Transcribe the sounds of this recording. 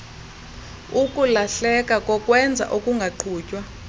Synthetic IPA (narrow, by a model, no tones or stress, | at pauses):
ukʼulaɬɛkʼakʼɔkʼwɛnd͡zʱa̰ʔokʼuŋɡʱaǃʰuːcʼwa